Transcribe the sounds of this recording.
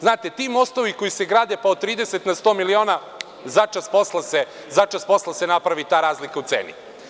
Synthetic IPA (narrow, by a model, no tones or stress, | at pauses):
znaːt̪et̪iːmo̞st̪o̞ʋiko̞jiseɡɾaːd̪epaod̪̚t̪ːɾiːd̪eset̪nast̪o̞ːmilio̞ːna | zat͡ʃaspo̞slˠase | zat͡ʃaspo̞slˠasenapɾaʋit̪aːɾaːzlikaut̪sḛːnḭ